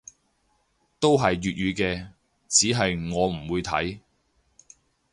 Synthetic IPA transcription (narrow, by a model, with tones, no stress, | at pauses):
t̪o˥wɦɐ˨jːyː˨t̚ɥyː˨˧kɛː˧ | t͡siː˨˥ɦɐ˨jŋɔː˨˧m̩˨˩wuː˨˧jt̪ʰɐ̰˨˥j